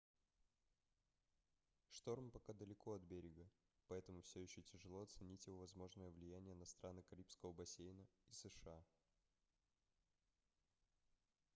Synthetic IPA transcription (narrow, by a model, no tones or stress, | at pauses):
ʂt̪o̞rmpɐkad̪əlʲɪko̞ɐt̪̚bʲeɾʲɪɡə | pɐɛt̪əmʊfsʲɵjɪɕːɵtʲɪʐɨlˠo̞ɐt̪sɨnʲitʲjɪvo̞vɐzmo̞ʐnəjəvlʲɪjænʲɪjənɐst̪ɾʔanɨkɐɾʲipskəvəbɐsʲejnəisəʂɨa